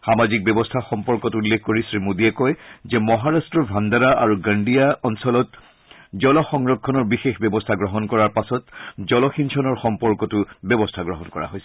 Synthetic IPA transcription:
xamazik̚bɛbɔstʰaxɔmpɔɹkɔtulːekʰkoɹisɹimudiɛkɔjzɛmɔɦaɹastɹɔbʱand̪aɹaʔaɹuɡaɳɖijaɔnsɔlɔt | zɔlɔxɔŋɹɔkʰːɔnɔɹbixexbɔbɔstʰaɡɹɔɦɔnkɔɹaɹpasɔtzɔlɔxinʃʰɔnɔɹxɔmpɔɹkɔtʊbjɔbɔstʰaɡɹɔɦɔnkɔɹa̰ɦojsɛ̥

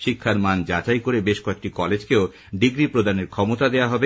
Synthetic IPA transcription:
ʃikʰːaɾmand͡ʑat͡ɕajkoɾebeʃkɔek̚ʈikɔled͡ʑkeo | ɖiɡɾipɾod̪ʱaneɾkʰɔmot̪ad̪eaɦɔbe

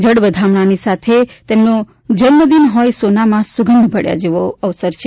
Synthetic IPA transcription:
d͡ʒəɽʋəd̪ʱamɳ̃anisat̪ʰet̪emno | d͡ʒənməd̪inɦɔjsonamãsuɡənd̪ʱbʱəɽja̰d͡ʒeʋoəʋsəɾt͡ʃʰe

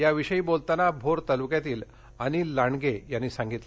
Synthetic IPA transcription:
jaʋiɕəiːbolt̪anabʱoɾt̪alukjat̪iːl | añilaɳɡejanːisãŋɡit̪l

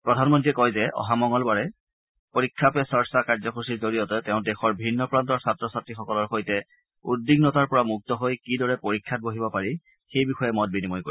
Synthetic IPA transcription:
pɹɔdʱanmɔntɹiɛkɔjzɛʔɔ̰ɦamɔŋɔlbaɹɛ | poɹikʰːapɛsɔɹsakaɹzɔxosiɹzoɹijɔtɔtɛʊ̃dɛxɔɹbʱinːɔpɹantɔɹsatɹɔsatɹixɔkɔlɔɹxojtɛ | udːiɡnɔtaɹpɔɹamuk̚tɔɦojkidɔɹɛpoɹikʰːat̚boɦibɔpaɹi | xejbixɔjɛmɔt̚binimɔjkoi

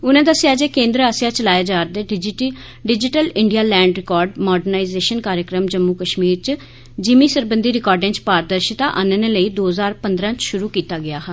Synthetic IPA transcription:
ʊnãːd̪aːsjaːd͡ʒeːkẽːnd̪ɾəaːsijaːt͡ʃəlaːjeːd͡ʒaːɾd̪eːd͡ʒ | ɖɪd͡ʒɪʈəlɪɳɖijaːlɛ̃ːɳɖɾɪkɔːɾɖmɔːɖənaːɪzeːʃənkaːɾjəkɾəmd͡ʒəmːuːkəʃmiːɾt͡ʃ | d͡ʒɪmiːsəɾbənd̪iːɾɪkɔːɾɖɪ̃ŋt͡ʃpaːɾd̪əɾʃɪt̪a̰ːʔa̰nəneːləiːd̪oːɦəzaːɾpənd̪ɾãːt͡ʃʃʊɾuːkiːt̪aːɡɪaːɦaː

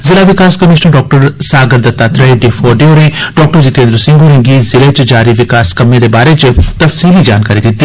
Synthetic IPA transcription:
zɪlaʋɪkaːskəmɪːʃnəɾɖɔːk̚ʈəɾsaːɡəɾd̪at̪at̪ɾəiɖɪfʰoːɖeoːɾẽɖɔːk̚ʈəɾd͡ʒit̪ẽːnd̪ɾəsɪ̃ŋɡuɾɪ̃ŋɡizɪlet͡ʃd͡ʒaːɾiʋɪkaːskɐmːẽd̪ebaːɾet͡ʃt̪ɐfsiːlid͡ʒaːnkaːɾid̪ɪt̪ːiː

